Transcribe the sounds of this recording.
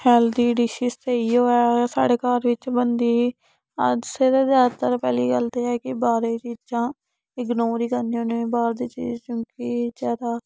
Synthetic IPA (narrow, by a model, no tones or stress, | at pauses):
hɛːld̪iːɖɪʃɪst̪eːiːoːɛːsa̰ːɽeːkaːɾʋɪt͡ʃbənd̪iː | ə̰d͡ʒsɪɾeːzaːt̪əɾpɛːlḭːɡəlt̪eːɛːkɪbaːɾeːt͡ʃiːd͡ʒãː | ɪɡnoːɾiːkəɾniõːneĩːbaːɾd̪iːt͡ʃḭːzt͡ʃõːkiːd͡ʒɛːɾaː